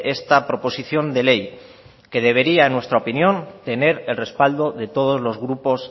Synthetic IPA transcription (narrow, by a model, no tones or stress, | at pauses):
e̞st̪apɾo̞po̞siθjo̞nd̪e̞le̞j | ke̞ðe̞β̞e̞ɾiaenwest̪ɾaopinjõ̞nt̪e̞ne̞ɾe̞lre̞spald̪o̞ðe̞t̪o̞ð̞o̞zlo̞zɣɾupo̞s